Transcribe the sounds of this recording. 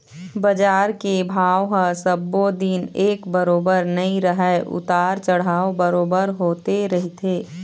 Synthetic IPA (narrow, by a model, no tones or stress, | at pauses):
bɐd͡ʒaːɾkebʱaːʋɦəsəbːod̪ineːkbəɾoːbəɾnɐĩɾəɦɛʔʊ̰t̪aːɾt͡ʃəɽ̤aːobəɾoːbəɾɦoːt̪eɾɐɦit̪ʰeː